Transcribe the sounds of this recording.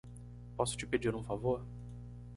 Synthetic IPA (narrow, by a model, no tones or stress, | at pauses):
pɔsʊ̥t͡ʃɪped͡ʒiɾũfavoɾ